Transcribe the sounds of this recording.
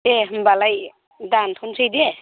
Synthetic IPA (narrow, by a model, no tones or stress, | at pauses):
eɦɯmbalaj | dant̪ʰɔnsʰɯjde